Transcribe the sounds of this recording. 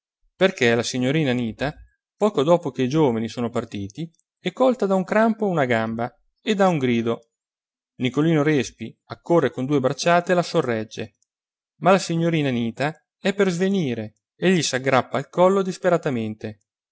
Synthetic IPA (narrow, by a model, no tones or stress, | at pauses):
perkelasiɲːoɾiːnaniːt̪a | pɔːkod̪ɔːpok̟eid͡ʒoːvanisoːnopart̪iːt̪i | ɛkːɔlt̪ad̪auŋkɾampounaɡamba | ed̪auŋɡɾiːd̪o | nikoliːnoɾɛspiakːorːekond̪uːebɾat͡ʃːaːt̪elasorːɛd͡ʒːe | malasiɲːoɾiːnaniːt̪a | ɛpːerzveniːɾe | eʎːisaɡɾapːalkɔlːod̪ispeɾat̪ament̪e